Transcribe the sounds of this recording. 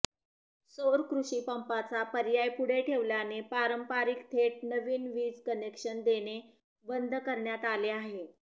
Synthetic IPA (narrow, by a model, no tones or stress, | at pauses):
soɾkɾuɕiːpəmpat͡sapəɾjajpuɽ̤eʈʰeʋljanepaɾəmpaɾikt̪ʰeʈ̚nəʋiːnʋiːd͡zkənekʂənd̪ene | bənd̪ʱkəɾɳjat̪aleaɦe